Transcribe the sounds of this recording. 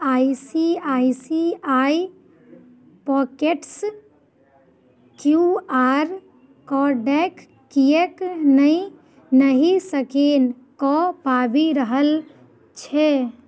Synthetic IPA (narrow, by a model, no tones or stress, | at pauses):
aisiaisiai | pɔkeʈs | kjuaɾ | kɔɖɛkː | ijeknəi | nəɦisəken | kɔpabiɾəɦəl | t͡ʃʰɛ